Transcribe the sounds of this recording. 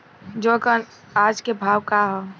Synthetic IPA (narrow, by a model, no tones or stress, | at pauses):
d͡ʒoːkən | aːd͡ʒkebʱaːwkaɦo